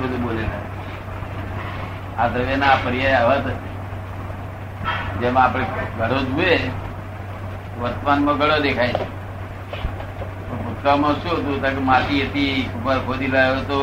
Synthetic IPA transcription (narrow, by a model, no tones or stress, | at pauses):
bəd̪ʱũbolela | at̪ɾəʋenapəɾijajaət̪e | d͡ʒemãːpɽ̃eɡʱəɽod͡ʒue | t̪oʋəɾt̪manmãɡʱəɽod̪ekʰait͡ʃʰe | t̪obʱʊt̪̚kamãʃũɦət̪̬ũt̪ãkemat̪iət̪ikupəɾkʰod̪iɾaet̪o